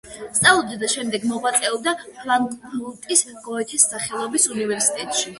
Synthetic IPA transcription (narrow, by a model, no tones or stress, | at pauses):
st̪ʼalˠɔd̪ad̪aʃɛmd̪ɛɡmɔʁwat̪sʼɛɔd̪apʰlaŋkʼblut̪ʼisɡɔɛt̪ʰisːaχɛlˠɔbisunivɛɾsit̪ʼɛt̪ʼʃi